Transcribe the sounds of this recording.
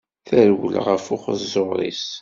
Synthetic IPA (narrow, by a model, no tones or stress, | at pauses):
θəɾwə̰lʁəfʊχəzʊɾˤḭs